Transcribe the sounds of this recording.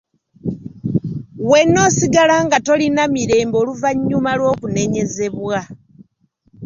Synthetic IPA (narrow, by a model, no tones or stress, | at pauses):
we̞nːo̞ːsiɡalaŋɡato̞linamiɾe̞ːmbo̞ːluvaɲːumalwo̞ːkune̞ɲe̞ze̞βwa